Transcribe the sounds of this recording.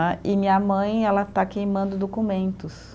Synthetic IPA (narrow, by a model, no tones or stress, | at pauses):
ʔɪmĩɲɐmɐ̃j̃ɛlɐt̪akejmɐ̃nd̪ʊd̪okumẽnt̪ʊs